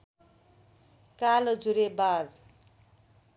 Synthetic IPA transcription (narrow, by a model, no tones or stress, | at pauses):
kalod͡zuɾebad͡z